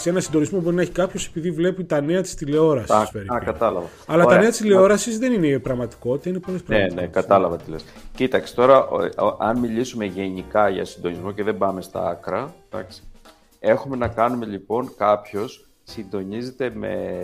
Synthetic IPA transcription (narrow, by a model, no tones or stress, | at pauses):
senɐsind̪o̞nizmo̞bo̞ɾineçi̥kɐpço̞se̞̥piðivle̞pit̪ɐne̞ɐt̪i̥st̪ile̞o̞ɾɐsiɐspeɾiɐkɐt̪ɐlɐvɐ | ɐlɐt̪ɐne̞ɐt̪i̥st̪ile̞o̞ɾɐsizðe̞ninepɾɐɣmɐt̪i̥ko̞t̪i̥t̪ɐinepo̞lespɾɐɣenekɐt̪ɐlɐvɐt̪iles | cit̪ɐksi̥t̪o̞ɾɐʔʔɐnmilisume̞ʝe̞nikɐʝɐ̰sind̪o̞nizmo̞ceðe̞bɐme̞st̪ɐ̰ɐ̰kɾɐd̪̥ɐ̰ksi̥ | e̞xume̞nɐkɐnume̞ʎipo̞nkɐpço̞s | sind̪o̞nizet̪e̞me̞̰